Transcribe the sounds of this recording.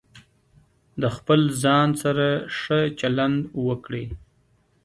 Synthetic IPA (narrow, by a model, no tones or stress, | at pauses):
d̪əxpəlzɑnsaɾaʂət͡ʃaland̪wəkɽe